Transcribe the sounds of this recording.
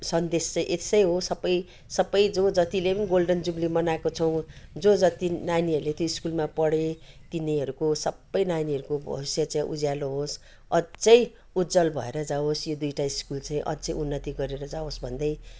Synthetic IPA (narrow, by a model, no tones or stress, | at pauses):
sʌnd̪est͡saĩʔesʌjɦosʌbːʌj | sʌbːʌjd͡zod͡zʌt̪ilepʌniɡolɖʌnd͡zumlimʌnaekot͡sʰʌw̃d͡zod͡zʌt̪inaniɦʌɾulet̪joiskulmapʌɽet̪iniɦʌɾukosʌbːʌjnaniɦʌɾukobʱʌ̰usjat͡saĩʔṵd͡zjaloɦos | ʌd͡zʌj̃ | ud̪d͡zʌlbʱʌ̰eɾʌd͡zaosjod̪ujʈaiskult͡sãĩʔʌ̰d͡zʌ̃junːʌt̪iɡʌɾeɾʌd͡zaosbʱʌnd̪ʌj